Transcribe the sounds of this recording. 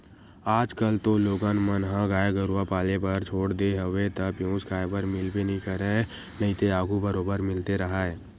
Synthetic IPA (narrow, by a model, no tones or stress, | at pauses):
aːd͡ʒkəlt̪oloːɡaːnmənɦãɡaːjeɡəɾuapaːlepɐɾt͡ʃʰoːɽd̪eɦəʋet̪ɐpjõːskaːjbəɾmɪlbenəĩkəɾe | nɐɦĩt̪eaːɡubəɾoːbəɾmɪlt̪eɾɐɦaːɛː